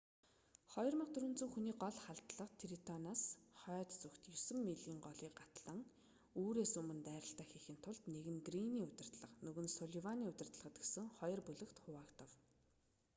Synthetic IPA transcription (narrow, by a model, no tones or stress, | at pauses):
χɔjɞ̆rmə̆qt̪ʰɵɾɵ̆nt͡sŭŋxuniːɢɔɮχaɮt̪ɮə̆qt̪ʰiɾit̪ʰɔnaːsχœːt̪t͡sɵxt̪jɵsɵ̆mːeɮiːŋɢɔɮiːkɢat̪ɮə̆ŋ | uːɾeːsɵmɘ̆nt̪æːɾə̆ɬt̪æːxixɘ̆n̥t̪ʰʊɮt̪neɣɘ̆ŋɡriniːʊt̪ʲɪ̆r̥t̪ɮə̆qnɵɣɵ̆nsɔɮiwaniːʊt̪ʲɪ̆r̥t̪ɮə̆ʁə̆t̪̚ɡesɘ̆ŋχɔjɞ̆rpɵɮɵ̆kt̪χʊwaːkt̪ʰə̆w